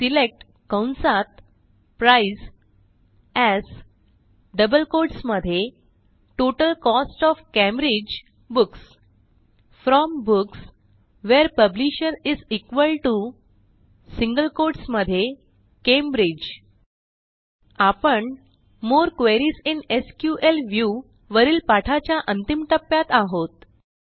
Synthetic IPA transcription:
silek̚ʈ | kə̃wnsat̪̚ | pɾais | ɛz | ɖəbəlkoɾɖsməd̪ʱːje | ʈoʈəlkɔsʈɔfkɛ̃mbɾid͡ʑ | buks | fɾɔmbuks | ʋeɾpəbliɕənizikʋəlʈu | siŋɡəlkoɾɖsməd̪ʱːje | kẽmbɾid͡ʑ | apəɳ | moɾkʋeɾiːsineskjuʔelʋju | ʋəɾiːlpaʈʰat͡ɕjaʔə̃nt̪imʈəpːjat̪aɦot̪̚

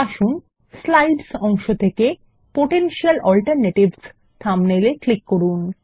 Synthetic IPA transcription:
aʃun | slajɖsɔŋʃot̪ʰeke | poʈenʃialɔlʈəɾneʈibs | t̪ʰamneleklikːoɾun

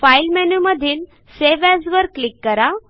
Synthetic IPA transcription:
failmɛnuməd̪ʱiːl | seʋasʋəɾklikːəɾa

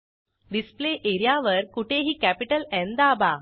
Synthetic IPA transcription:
ɖispleʔeɾijaʋəɾkuʈʰeɦiːkæpiʈəlɛ̃nd̪aba

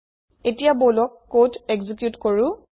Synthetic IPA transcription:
etijabolɔkːotɛɡzikjutkoɹʊ̃

